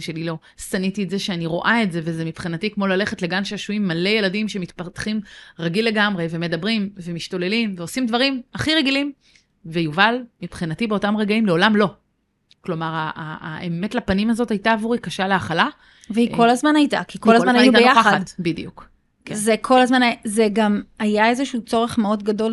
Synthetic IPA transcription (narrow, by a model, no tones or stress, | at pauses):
ʃelilo̞ | sanitietze̞ʃeaniʁo̞̰ʔaetze̞vezemipχinatikmo̞lale̞χetleɡanʃeaʃuimːale̞je̞ladimʃe̞mitpatχimʁaɡilːe̞ɡamʁe̞ve̞me̞dabʁimve̞miʃto̞le̞limveosimdvɐʁimaχiʁeɡilim | vejuvalmipχinatibe̞o̞tamʁeɡaimle̞o̞lamlo̞ | klo̞maʁaa̰ːeme̞tlapanimazo̞tajtaːvuʁikaʃaleaχala | veiko̞lazmanajta̰kikolazmanajuaejjaaadbidḭjuk | kzekʰo̞lazmanazeɡamajaezeʃut͡so̞ʁe̞χmeo̞dɡado̞l